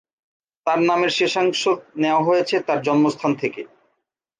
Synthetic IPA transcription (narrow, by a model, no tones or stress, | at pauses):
t̪aɾnameɾʃeʃaŋʃod̪neoaɦojet͡ɕʰet̪aɾd͡ʑɔnmost̪ʰant̪ʰeke